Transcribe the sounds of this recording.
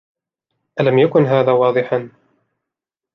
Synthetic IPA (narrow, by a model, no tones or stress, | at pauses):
ʔalamjakʊnɦaːðaːwɑːd̪ˤɨħan